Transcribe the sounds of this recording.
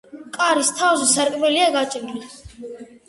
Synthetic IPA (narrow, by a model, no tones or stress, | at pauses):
kʼaɾist̪ʰavzɛsaɾkʼmɛliaɡat͡ʃʼɾli